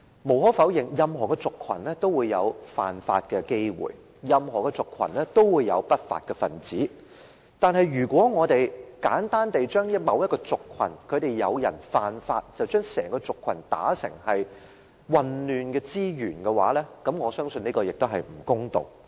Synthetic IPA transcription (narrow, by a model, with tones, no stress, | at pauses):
mo˨˩whɔː˨˥fɐ˨˥wjɪ˨ŋjɐ˨mɦɔː˨˩kɛ˧t͡sʊ˨kʰwɐ̰˨˩nlɛː˥t̪o˥wuː˨˧jːɐ̰˨˧wfa̰ː˨nfa̰ː˧t̚kɛ˧ke˥jwṵː˨j | jɐ˨˧mɦɔː˨˩kɛ˧t͡sʊ˨kʰːɐ̰˨˩nlɛ˥t̪o˥wwuː˨˧jːɐ̰˨˧wpɐ˥t̚fa̰ː˧t̚kɛ˧fɐ˨nt͡siː˨˥ | t̪aː˨˧nɦɐ˨jɥyː˨˩kʷɔː˨˥ŋɔː˨˧t̪e˨jkaː˨˥nt̪aː˥nt̪e˨jt͡ʃœː˥ŋjɐ˥t̚mɐ˨˧wjɐ˥t̚kɔː˧t͡sʊ˨kʰːwɐ̰˨˩nkʰɵ˨˧ɥt̪e˨jːɐ˨˧wjɐ̰˨˩nfaː˨nfaː˧t̚t͡sɐ˨wt͡ʃœː˥ŋsɛː˨˩ŋkɔː˧t͡sʊ˨kʰːɐ˨˩nt̪a̰ː˨˥sɪ̰˨˩ŋhɐ˨j | wɐ˨nlyː˨nkɛː˧t͡siː˥jyː˨˩nkɛː˧wa̰ː˨˥lɛː˥kɐ˨˧˥mŋɔː˨˧sœː˥ŋsɵ˧ni˥kɔː˧jɪ˨k̚t̪o˥wɦɐ˨jm̩˨˩kʊ˥ŋt̪o̰˨w